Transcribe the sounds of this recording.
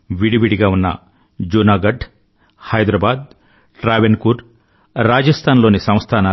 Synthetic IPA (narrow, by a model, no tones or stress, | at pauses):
ʋiɽiʋiɽiɡaːunːɐ̰ | d͡ʒuːnaːɡɐɖ | hɐjd̪ɾaːbaːd̪̚ | ʈɾaːʋenkuɾ | ɾaːd͡ʒɐst̪ʰaːnlo̞ːnisɐ̃m̃st̪ʰaːnɐː